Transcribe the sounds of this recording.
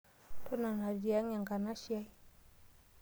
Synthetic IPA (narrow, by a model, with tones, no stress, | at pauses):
to˦na˨na˨d͡ʒi˨a˦ŋa˨ŋka˨na˦ʃi˦ja˦j